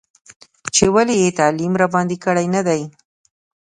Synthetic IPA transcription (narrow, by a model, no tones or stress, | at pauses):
t͡ʃewalejet̪alimɾabɑnd̪ikəɽajnad̪aj